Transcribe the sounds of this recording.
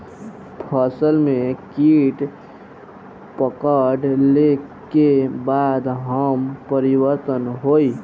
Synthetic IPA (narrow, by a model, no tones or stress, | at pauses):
pʰəsəlmẽkiʈ | pəkəɖlekebad̪ɦəmpəɾiwəɾt̪ənɦoi